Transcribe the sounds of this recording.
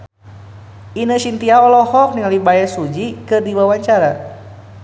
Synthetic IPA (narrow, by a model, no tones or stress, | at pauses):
inəʃint̪iaɔlɔhɔk̚niŋalibajasud͡ʒikɨrdiwawaɲt͡ʃaɾa